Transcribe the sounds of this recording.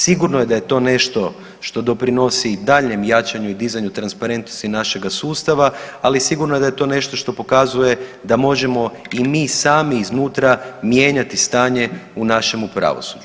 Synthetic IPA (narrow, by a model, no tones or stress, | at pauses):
siɡuɾnoje̞d̪aje̞t̪o̞ːne̞ʃt̪o̞ | ʃt̪o̞d̪o̞pɾino̞sid̪aːʎɲe̞mjat͡ʃaɲuid̪izaɲut̪ɾanspaɾe̞nt̪no̞st̪inaʃe̞ɡasuːst̪aʋaalisiɡuɾnoe̞d̪aje̞t̪o̞ne̞ʃt̪o̞ʃt̪o̞po̞kazuje̞d̪amo̞ʒe̞mo̞imiːsaːmiːznuːt̪ɾamje̞ːɲat̪ist̪aːɲe̞unaʃe̞mupɾa̰ʋo̞̰sud͡ʒu